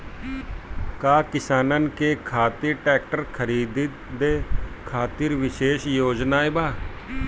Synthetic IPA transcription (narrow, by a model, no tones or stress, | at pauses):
kaːkɪsaːnənkeːkʰaːt̪iɾʈɛːk̚ʈəɾkʰəɾiːd̪ | d̪eːkʰaːt̪ɪɾʋɪʃeːʃjoːd͡ʒnaːeːbaː